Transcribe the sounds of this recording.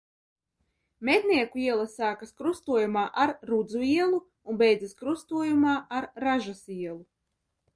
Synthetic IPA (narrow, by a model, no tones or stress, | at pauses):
mʲed̪ʲnʲiɛkuiɛlˠasaːkaskɾust̪uɔjumaːʔaɾɾud̪zuiɛlˠu | unbʲɛjd̪zaskɾust̪uɔjumaːʔaɾːaʒasiɛlˠu